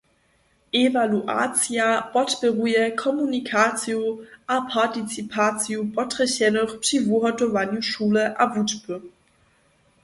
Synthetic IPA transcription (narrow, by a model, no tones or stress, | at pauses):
ʔevaluʔa̰ːt͡sjab̥ɔtb̥əʁuəkʰɔmunikʰaːt͡sjoʔapʰaɐtit͡sipʰaːt͡sjobɔtʁɛɕɛnɔχprivuɦɔtovanjuʃuːləʔa̰vutpʰə